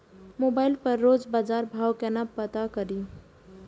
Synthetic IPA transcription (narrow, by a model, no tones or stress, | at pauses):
moːbaːɪlpəɾːoːd͡ʒbaːd͡ʒaːɾbʱaːwkɛnapət̪akəɾi